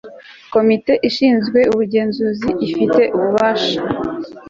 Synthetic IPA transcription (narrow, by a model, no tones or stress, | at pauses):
ko̞mite̞ʔiʃiːnzɡwe̞uβuɟe̞ːnzuziʔːfite̞ʔuβuβaːʃḁ